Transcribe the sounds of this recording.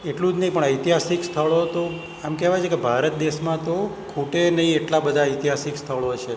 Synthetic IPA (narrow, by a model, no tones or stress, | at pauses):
eʈlũd͡ʒnəĩpəɳəjt̪iɦasikst̪ʰəɭot̪o | amkɛʋajt͡ʃʰekebʱaɾət̪̚d̪eʃmãt̪okʰuʈenəĩeʈlabəd̪ʱaəjt̪iɦasikst̪ʰəɭot͡ʃʰe